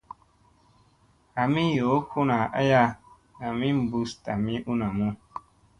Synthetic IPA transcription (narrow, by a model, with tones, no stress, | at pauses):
a˨mĩ˦jo˨˦kʰu˦na˨ʔa̰˦ja˧ | a˨mĩ˦m̩˨bu˦sta˨mĩ˦ʔu˦nã˨mũ˦